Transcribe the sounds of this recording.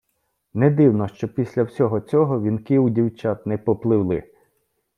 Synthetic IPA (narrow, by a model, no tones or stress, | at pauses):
nɛd̪ɪwnɔʃt͡ʃɔpʲisʲlʲɐwsʲɔɦɔt͡sʲɔɦɔʋʲinkɪudʲiwt͡ʃat̪nɛpɔplˠɪwlˠɪ̰